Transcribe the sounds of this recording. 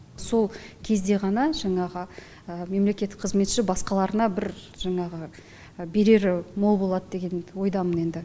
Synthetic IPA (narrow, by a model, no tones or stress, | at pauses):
so̞lˠkʲʰe̞zd̪e̞ʁɑnɑʒɑɴɑʁə | əme̞mle̞kʲe̞t̪ːɪ̥k̚qʰəzme̞t̪ʃɪbɑsqɑlˠɑɾənɑbɪɾ | ʒ̥ɑɴɑʁə | be̞ɾe̞ɾɪmo̞lˠbo̞lˠɑd̪əd̪e̞ɡʲe̞nwo̞jd̪ɑməne̞nd̪ɪ